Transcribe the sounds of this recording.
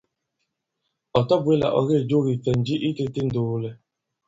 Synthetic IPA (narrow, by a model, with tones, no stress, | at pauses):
ɔ˨tɔ˦bʊ˦e˦la̰˨ʔɔ̰˦ɣe˦˨d͡ʒo˦ɾi˨fe˨n̩˨d͡ʒi˦ʔi˦te˦te˦n̩˨do˨˦le˦